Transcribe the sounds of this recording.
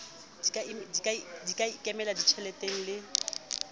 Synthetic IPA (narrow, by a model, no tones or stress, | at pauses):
dikʼaimdikʼaidikʼaikʼɛmɛladit͡ʃʰɛlɛtʼeŋ̩lɪ